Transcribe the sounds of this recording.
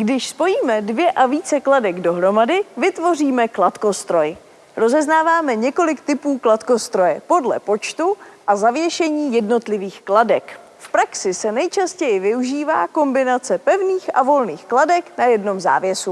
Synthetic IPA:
ɡdɪʃspo̞jiːmɛdvjɛʔaviːt͡sɛkladɛɡdo̞ɦɾo̞madɪvɪt̪vo̞riːmɛklat̪ko̞st̪ɾo̞j | ɾo̞zɛznaːvaːmɛɲɛko̞lɪkt̪ɪpuːklat̪ko̞st̪ɾo̞jɛpo̞dlɛ̰po̞t͡ʃt̪uʔazavjɛʃɛɲiːjɛdno̞t̪lɪviːxkladɛk | fpɾaksɪsɛnɛjt͡ʃascɛjɪvɪuʒiːva̰ːko̞mbɪnat͡sɛpɛvniːxʔavo̞lniːxkladɛknajɛdno̞mza̰ːvjɛsu

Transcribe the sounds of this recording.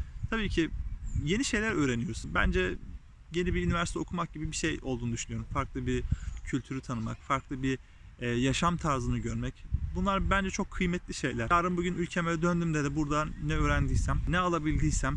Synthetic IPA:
t̪ʰabiːcʰije̞niʃe̞jlʲæɾø̞ːɾenijo̞ɾusnbæ̰nd͡ʒɛ | je̞nibiynivæɾst̪ʰɛo̞kʰumak̚ɟibibiʃejo̞lˠd̪unud̪yʃynyjo̞ɾumfaɾklˠɯbiɾcʰylʲt̪ʰyɾyt̪ʰanɯma̰kfaɾklˠɯbi | ɛjaʃamt̪ʰaɾzɯnɯɟøɾmɛcbunlˠaɾbænd͡ʒɛt͡ʃʰo̞kʰːɯjmɛt̪lʲiʃe̞jlʲæɾaːɾɯmbuɟynylʲcʰemelɛd̪ønd̪ymd̪ɛd̪ɛbuɾd̪anɛøːɾænd̪ijsæmnɛalˠabilʲd̪ijsæm

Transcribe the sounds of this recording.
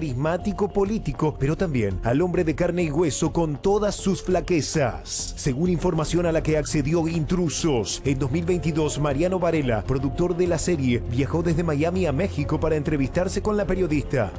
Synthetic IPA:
ɾizmat̪ikopo̞lit̪iko̞peɾo̞t̪ambjḛnalo̞mbɾe̞ðekaɾne̞iɣwe̞so̞ko̞nt̪o̞ðasːusflakesa̰sː | eɣuniɱfo̞ɾmasjo̞nalakeakse̞ðjo̞int̪ɾusosend̪o̞zmilβejnt̪iðo̞smaɾjano̞βaɾela̰pɾo̞ðuk̚t̪o̞ɾðelaseɾjeβjaxo̞ðezðemajamiamexiko̞paɾaent̪ɾe̞βist̪aɾse̞kõ̞nlapeɾjo̞ðist̪a̰

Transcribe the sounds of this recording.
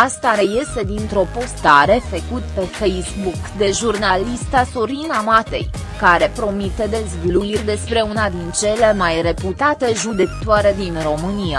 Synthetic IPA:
ast̪aɾe̞je̞st̪e̞d̪int̪ɾo̞po̞st̪aɾe̞fekut̪pe̞fejsbukd̪e̞ʒurnalist̪asoɾinamat̪e̞̰j | kaɾe̞pɾo̞mit̪e̞d̪e̞zɡluird̪e̞spɾe̞unad̪int͡ʃe̞le̞majre̞put̪at̪e̞ʒud̪e̞kt̪oaɾe̞d̪inro̞mɨnia

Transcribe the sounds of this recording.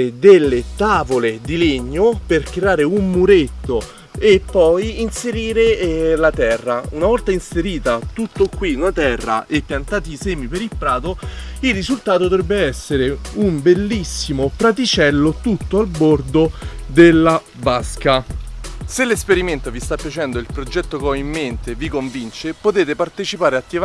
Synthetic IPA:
ed̪elːet̪aːvoled̪ileɲːoperkɾeaːɾeumːuɾet̪ːo | epːɔjinseɾiːɾelat̪ɛrːaunavɔlt̪ainseɾiːt̪at̪ut̪ːokwiunat̪ɛrːa̰ʔepːjant̪aːt̪iseːmipeɾilpɾaːt̪oirːizult̪aːt̪od̪ovɾɛbːeɛsːeɾeumbelːisːimopɾat̪̬it͡ʃɛlːot̪ut̪ːoalbord̪od̪elːa | baska | selːespeɾiment̪ovist̪apːjat͡ʃɛnd̪oilpɾod͡ʒɛt̪ːokɔimːent̪evikoɱvint͡ʃepot̪eːt̪epart̪et͡ʃipaːɾeat̪ːi

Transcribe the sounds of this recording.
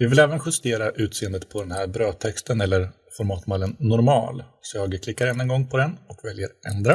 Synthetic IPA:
vɪvɪlɛːvənɧɵst̪eːɾaʔʉ̟ːt̪seːənd̪ət̪pʰɔd̪ɛnhæɾbɾøːt̪ʰɛkst̪ənɛlːəɾ | fɔɾmɑːt̪malənːʊɾmɑ̰ːlsɔjɑːɡkʰlɪkːaɾɛnːɛnɡɔŋːpʰɔd̪ɛnɔkvɛljəɾʔɛ̰nd̪ɾa

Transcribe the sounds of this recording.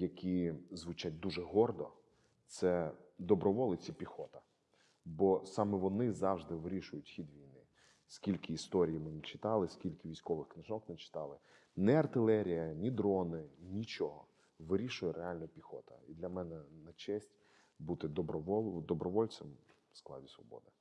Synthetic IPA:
jɐkʲizʋʊt͡ʃat̚ʲd̪uʒɛɦɔrd̪ɔ̰ | t̪sɛd̪ɔbɾɔʋɔlˠɪt͡sʲipʲixɔt̪ɐ | bɔsɑmɛʋɔnɪzɑwʒd̪ɪʋɪɾʲiʃʊjʊtʲxʲid̪ʋʲijnɪ | sʲkʲilʲkɪːst̪ɔɾʲijimenʲit͡ʃɪ̥t̪ɑlˠɪskʲilʲkɪʋʲisʲkɔʋɪxknɪʒɔknɛt͡ʃɪ̥t̪ɑlˠɪ | nɛɐrt̪ɪlˠɛɾʲijɐnʲid̪ɾɔnɪnʲit͡ʃɔɦɔ | ʋɪɾʲiʃʊjɛɾʔeɑlʲnɐpʲixɔt̪ɐ̰id̪lʲɐmɛnɛnɐt͡ʃɛsʲtʲ | but̪ɪd̪ɔbɾɔʋɔlˠd̪ɔbɾɔʋɔlʲsɛm | sklˠɑ̰dʲisʋɔ̰bɔ̰d̪ɪ

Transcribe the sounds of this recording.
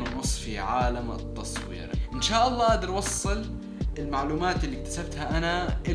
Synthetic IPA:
nʊnʊsˤːfiʕaːlamɨ̰t̪ːɑ̰sˤwḭːɾʔɪnʃaːʔɑlˤːɑːʔaːd̪ɪɾwɑsˤːɨl | ɪlmaʕluːmaːt̪ɪlːik̚t̪ḁsab̚t̪haʔanaʔɪ

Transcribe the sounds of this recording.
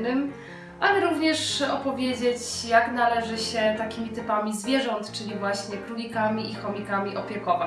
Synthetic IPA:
nɘm | ʔalɛɾuvɲɛʂɔpɔvʲjed͡ʑet͡ɕjaknalɛʐɘɕɛt̪akʲimʲit̪ɘpamʲizvʲjɛʐɔnt̪t͡ʂɘlʲivwaɕɲɛkɾulʲikamʲiʔixɔmʲikamʲiʔɔpʲjɛkɔva

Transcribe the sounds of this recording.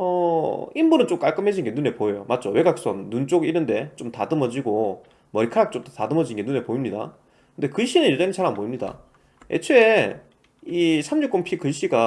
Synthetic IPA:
ʌ̰imbunɯnt͡ɕomk͈aɭk͈ɯmɦe̞d͡ʑinɡe̞nune̞poejomat̚t͡ɕ͈owe̞ɡak̚s͈ʌnːunt͡ɕ͈oɡinɯnde̞t͡ɕ͈omtadɯmʌd͡ʑiɡo | mʌɾikʰaɾak̚t͡ɕ͈omtatadɯmʌd͡ʑinɡe̞nunepoimɲida̰ | kɯnde̞kɯɕ͈inɯnjed͡ʑʌŋit͡ɕʰaɾamboimɲida̰ | e̞̰t͡ɕʰee | isʰamɲuk͈ompʰikɯɕ͈iɡa

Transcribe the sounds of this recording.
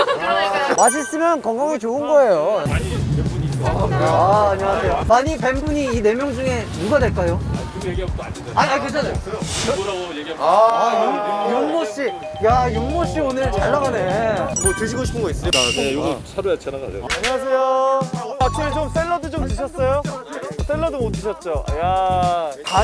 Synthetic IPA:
waɕ̬ʰis͈ɯmjʌnkʌŋɡaŋit͡ɕoɯnɡʌe̞jo | aɲiasʰe̞jomaɲipe̞mbuɲiːne̞mjʌŋd͡ʑuŋe̞muɡadweɭk͈ajo | aaket͡ɕʰaneo | a | juŋmoɕ͈i | jajoŋmoɕ͈ionɯɭt͡ɕaɭːaɡane̞mot͡ɕuɕ̬ʰiɡoɕʰi̥pʰɯnɡʌis͈ɯɲidanejoɡisʰaɾoat͡ɕʰenaɡa̰ɾḛaaɲiasʰe̞jo | atʰimet͡ɕoms͈eɭːʌdɯd͡ʑomtɯɕ̬ʰʌs͈ʌjos͈eɭːʌdɯmontɯɕʰʌt̚t͡ɕ͈oja | ka

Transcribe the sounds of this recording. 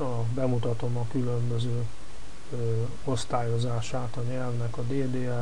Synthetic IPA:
ɒ | bɛmut̪ɒt̪o̞mɒkylø̞mbø̞zøː | o̞st̪aːjo̞zaːʃaːt̪ɒɲɛlvnɛkɒd̪eːd̪eːɛ

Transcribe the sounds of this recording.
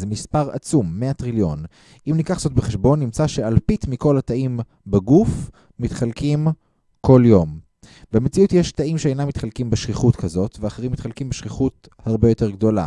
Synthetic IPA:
zemispaʁa̰t͡sumːeat̪ʁiljo̞̰n | imnikaχzo̞tbeχeʃbo̞nːimt͡saʃe̞alpitmikolataʔim | beɡuf | mit̪χalkim | kʰo̞ljo̞m | bemet͡siutjeʃt̪aimʃeejnamːitχalkimbeʃχiχutkazo̞tveaχeʁimːitχalkimbeʃχiχut̚ | haʁbe̞jo̞te̞ʁɡdo̞la̰

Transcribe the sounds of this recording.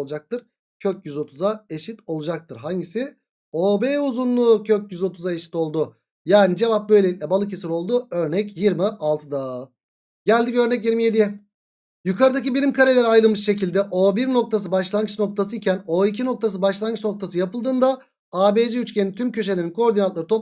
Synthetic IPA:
lˠud͡ʒak̚t̪ɯɾ̥ | cʰøc̚jyzo̞t̪ʰuzae̞ʃit̪o̞lˠud͡ʒak̚t̪ʰɯɾɦaɲɟisɪ | oːbeːuzunlˠuːcʰøc̚jyzo̞t̪ʰuzae̞ʃi̥t̪o̞lˠd̪ʊ | jaːnid͡ʒe̞vap̚bø̞jlʲeit̪ʲlʲɛbalˠɯc̬ʰesiɾo̞lˠd̪uø̞ɾnɛcjiɾmiʔalˠt̪ʰɯd̪a | ɟælʲd̪icø̞ɾnɛc̬jiɾmije̞d̪ij | jukʰaɾɯd̪ac̬ibilʲimkʰaɾelʲeɾiajlˠɯlˠmɯʃʃe̞cilʲd̪ɛʔoːbiɾno̞k̚t̪ʰas̬ɯbaʃlˠanɡɯt͡ʃno̞k̚t̪ʰasɯicʰæno̞icʰino̞k̚t̪ʰas̬ɯbaʃlˠanɡɯt͡ʃno̞k̚t̪ʰas̬ɯjapɯlˠd̪ɯːnd̪a | aːbed͡ʒɛyt͡ʃcʰenit̪ʰymcʰø̞ʃ̬eeɾinkʰo̞ɾd̪inanlˠaɾɯt̪ʰop

